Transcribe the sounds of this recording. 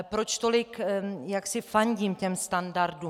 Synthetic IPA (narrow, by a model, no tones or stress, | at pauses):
pɾot͡ʃt̪olɪkjaksɪfaɲɟiːmcɛmst̪andaɾdu